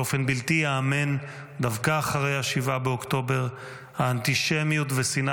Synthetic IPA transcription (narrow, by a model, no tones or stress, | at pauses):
ofe̞nbilt̪ijaːme̞n | d̪avkaːχaʁejhaʃivabeokt̪o̞be̞ʁ | haːnt̪iʃemjut̪vesin